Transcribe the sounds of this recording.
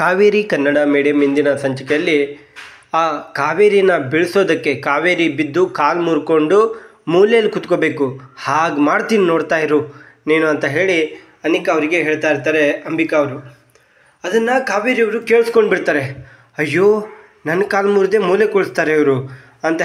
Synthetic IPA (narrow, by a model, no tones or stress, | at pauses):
kaːʋeːɾikɐnːɐɽɐmeːɽijɐmːind̪inɐsɐɲt͡ʃɐkɛjɐlːi | aːkaːʋeːɾinːɐbiɭso̞ːd̪ɐkːe̞kaːʋeːɾibid̪ːukaːlmuːɾko̞ɳɖumuːleɐlːikut̪kobe̞ːkuhaːɡmaːɽt̪iːnino̞ːɽt̪aːjiɾu | neːnuɐnt̪ɐɦe̞ːɭi | ɐnikɐɐʋɾiɡe̞ɦeːɭt̪aːjɾt̪aːɾe̞ɐmbikɐːʋɾu | ɐd̪ɐnːɐkaːʋeːɾiɐʋɾukeːɭiskoɳɖbiɽt̪aːɾe̞ | ɐjːo̞ː | nɐnːɐkaːlmuːɾd̪e̞muːlekoɭist̪aːɾeɐʋɐɾu | ɐnt̪ɐ